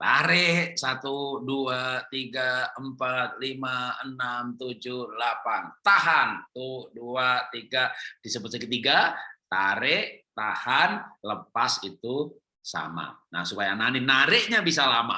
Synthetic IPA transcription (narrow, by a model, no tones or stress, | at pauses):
t̪aɾɛsat̪uduat̪iɡaəmpat̪̚limaənamt̪ud͡ʒuhlapant̪aɦant̪uduat̪iɡad̥isəbət̪səkət̪iɡat̪aɾɛʔt̪ahanləpasit̪u | sa̰ma̰na̰hsupajananinaɾɪʔɲabisalama̰